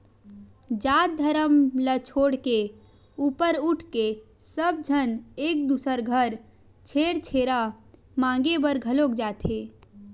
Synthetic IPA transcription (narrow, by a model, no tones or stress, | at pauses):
d͡ʒad̪ʱəɾəmlət͡ʃʰoɽke | upəɾuʈʰkesəb̚d͡ʒʱənek̚d̪usəɾɡʱəɾ | t͡ʃʰeɽt͡ʃʰeɾa | mãŋɡebəɾɡʱəlokd͡ʒat̪ʰɦe